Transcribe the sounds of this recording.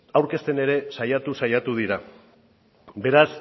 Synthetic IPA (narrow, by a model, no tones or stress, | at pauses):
awɾke̞st̪e̞ne̞ɾe̞sajat̪usajat̪uðiɾa | be̞ɾas